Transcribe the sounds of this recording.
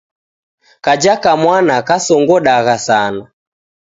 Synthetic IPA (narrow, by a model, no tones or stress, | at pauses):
kad͡ʒakamwanakasɔŋɡɔɗaɣasana